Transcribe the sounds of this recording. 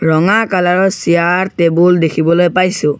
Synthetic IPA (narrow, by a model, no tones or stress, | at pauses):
ɹɔŋakalaɹɔsijaɹtebuldekʰibɔlojpajsʊ̃